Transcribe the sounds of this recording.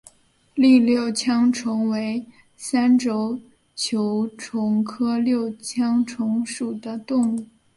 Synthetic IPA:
li˥˧ljo˥˩ʊt͡ɕʰjɑ˥ŋʈ͡ʂʰʊ˧˥ŋwe˧˥ɪ | sa˥nʈ͡ʂo˥ʊ | t͡ɕʰjo˧˥ʊʈ͡ʂʰʊ˧˥ŋkʰɤ˥ljo˥˩ʊt͡ɕʰjɑ˥ŋʈ͡ʂʰʊ˧˥ŋʂu˨˩d̪ə˦t̪ʊ˥˧ŋu˥˩

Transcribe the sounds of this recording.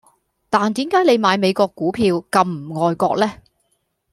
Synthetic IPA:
t̪aː˨nt̪iː˨˥mkaː˨˥jne˨˧jmaː˨˧jme˨˧jkɔː˧kːuː˨˥pʰiː˧wkɐ˧mm̩˨˩ŋɔː˧jkɔ̰ː˧k̚lɛː˥

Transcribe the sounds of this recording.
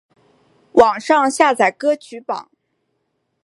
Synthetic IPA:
wɑ˨˩ŋʂɑ˥˧ŋɕja˥˩t͡sa˨˩ɪkɤ˥t͡ɕʰy˧˥pɑ̰˨˩˦ŋ

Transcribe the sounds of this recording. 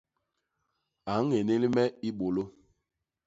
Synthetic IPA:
a˨˦ŋ̩˦e˨ne˦li˦mɛ˦i˦ɓo˨lo˦

